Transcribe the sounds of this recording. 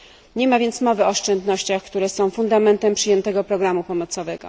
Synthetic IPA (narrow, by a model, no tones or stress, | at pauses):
ɲɛmavʲjɛnt̪smɔvɘɔːʂt͡ʂɛnd̪nɔɕt͡ɕaxkt̪uɾɛsɔ̃w̃fund̪amɛnt̪ɛmpʂɘjɛnt̪ɛɡɔpɾɔɡɾamupɔmɔt̪sɔvɛɡɔ̰